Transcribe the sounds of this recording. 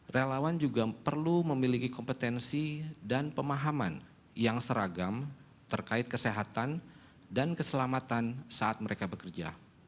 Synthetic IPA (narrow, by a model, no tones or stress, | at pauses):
relawand͡ʒuɡapərluməmilikikɔmpət̪ɛnsidanpəmaɦaman | jaŋsəɾaɡam | t̪ərkaɪt̪̚kəseɦat̪an | dankəsəlamat̪ansaʔat̪̚məɾekabəkərd͡ʒa̰